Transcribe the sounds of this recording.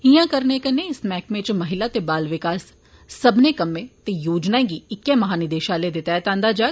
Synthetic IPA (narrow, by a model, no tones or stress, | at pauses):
ijãːkɐɾnekɐneɪsmɛːkmẽt͡ʃmɐɦɪlat̪ebaːlʋɪkaːsː | ɐbnekɐmẽt̪ejoːd͡ʒnaːẽɡiɪkjamɐɦaːnɪd̪eːʃaːled̪et̪ɛːt̪ãːnd̪ad͡ʒaː